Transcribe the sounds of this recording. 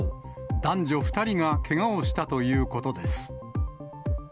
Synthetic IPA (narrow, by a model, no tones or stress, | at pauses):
d̪ãɲ̟d͡ʑo̞ɸɯ̟̥t̪aɾʲiŋakʰe̞ŋaoɕi̥t̪at̪o̞jɯ̟ːko̞t̪o̞d̪e̞sɨ̥